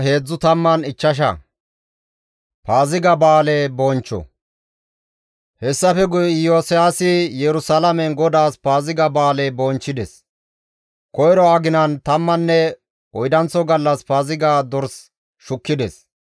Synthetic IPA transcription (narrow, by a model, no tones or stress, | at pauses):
ɦe̞ːd͡zːʊt̪ɐmːɐnɪt͡ʃːɐʃ̬ɐ̰ | paːzɪɡɐbaːleːboːnt͡ʃːɔ̰ | hɛsːɐfɛɡʊjɪjoːsɪjaːsɪjɛɾʊsɐlɐmɛnɡɔd̪aːspaːzɪɡɐbaːlebɔːnt͡ʃːɪd̪ɛs | kɔjɾɔɐɡɪnɐnt̪ɐmːɐnːɛ | ɔjd̪ɐnt͡sːɔɡɐlːɐspaːzɪɡaːd̪ɔɾs | ʃʊkːɪd̪ɛs